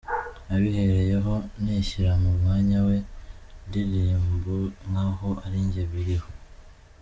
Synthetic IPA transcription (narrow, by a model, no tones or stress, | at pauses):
aβihe̞ɾejeɦo̞neʃiɾamumŋaːɲawe̞dilimbuŋahoʔaɾiɲɟeβiɾiho